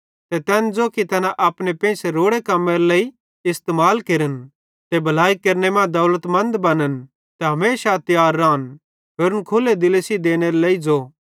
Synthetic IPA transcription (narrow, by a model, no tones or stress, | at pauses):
t̪ɛt̪ɛːnd͡zoːkit̪ɐnãʔɐːpnepẽːseɾoːɽekɐmːeɾlei | ɪst̪emaːlkeɾən | t̪ɛbʱɐlaːikɐɾnemɛ̃d̪ɐʊlət̪mɐ̃nd̪bɐnən | t̪ɛɦɐmeːʃat̪ɪjaːɾːaːn | peːɾʊnkʰʊled̪ɪlesid̪eːneɾeleːid͡zo